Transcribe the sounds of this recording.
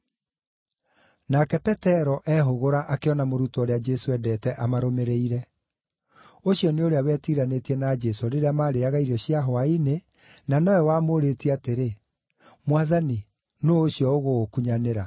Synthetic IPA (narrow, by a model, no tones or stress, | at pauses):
nakɛpɛtɛɾɔʔɛɦoɣoɾaʔakeɔnamoɾutooɾead͡ʒɛsoɛdɛːtɛʔamaɾomeɾeiɾɛ | oɕjɔneoɾeawɛtiɾanetiɛnad͡ʒɛsoɾeɾeamaɾeaɣaiɾɔɕiaɦoaine | nanɔwɛwamoɾetiɛateɾe | mwaðani | noːɕiɔoɣookuɲaneɾa